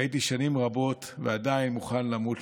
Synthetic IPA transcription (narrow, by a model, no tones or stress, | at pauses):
jit̪̬iʃanimʁabo̞t | vead̪ainmuχanlamut